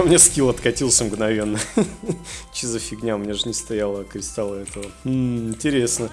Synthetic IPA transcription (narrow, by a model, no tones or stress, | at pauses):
mnʲeskʲilˠɐt̪kɐtʲilˠsʲəmɡnɐvʲe̞nːə | t͡ɕɪzəfʲɪɡnʲamnʲeʐɨnʲɪst̪ɐjalˠəkɾʲɪst̪alˠəɛt̪əvəm̩ɪnʲtʲɪɾʲe̞snə